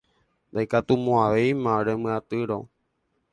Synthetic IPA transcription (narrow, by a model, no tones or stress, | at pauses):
nd̪ajkat̪umõaʋe̞jmãɾemɨ̃at̪ɨɾo̰